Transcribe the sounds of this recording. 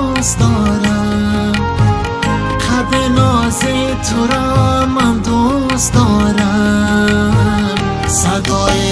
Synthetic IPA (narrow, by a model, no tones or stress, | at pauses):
sd̪ɔːɾa | qʰab̪enɔze | t̪ʰʊɾɔmand̪u | sd̪ɔːɾa | m | sad̪ɔː